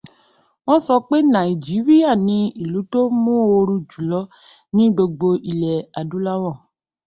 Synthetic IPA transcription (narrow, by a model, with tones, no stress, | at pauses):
w̃ɔ̃˦sɔ˧k͡pe˦nã˨i˨d͡ʒi˨˦ɾi˦a˦˨nĩ˧i˦˨lu˨˦to˦mũ˦o˧ɾu˧d͡ʒu˨lɔ˦ | nĩ˦ɡ͡bo˧ɡ͡bo˧i˨lɛ˨a˨dũ˨˦la˦wɔ̃˦˨